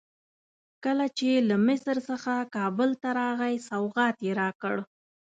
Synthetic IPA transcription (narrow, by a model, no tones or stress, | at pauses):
kəlat͡ʃelamɪsɾsəxakɑbəlt̪aɾɑɣajsawɣɑt̪jeɾɑkəɽ